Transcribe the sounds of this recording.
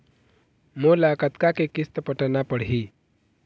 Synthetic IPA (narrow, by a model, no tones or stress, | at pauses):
molakət̪kakekist̪əpəʈənapəɽɦi